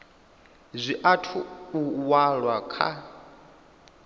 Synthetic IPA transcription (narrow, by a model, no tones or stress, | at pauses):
zʷiʔatʰuːwaɺwakʰa̰